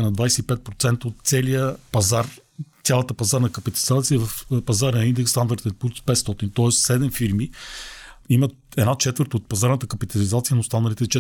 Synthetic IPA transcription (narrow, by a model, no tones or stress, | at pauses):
nɐd̪vajsɛipɛt̪̚pɾot̪sɛnt̪əot̪t̪sɛlijəpɐzaɾt̪sʲalˠət̪əpɐzaɾnəkɐpit̪ɐlizat̪siəvɐfpɐzaɾnind̪ɛkst̪and̪aɾt̪ɛnpuɾspɛt̪st̪ɔt̪int̪ɔɛssɛd̪ɛmfiɾmi | imə | ɛd̪nat͡ʃɛt̪vəɾt̪ot̪̚pɐzaɾnət̪əkɐpit̪ɐlizat̪sijənost̪anəlit̪ɛt͡ʃɛ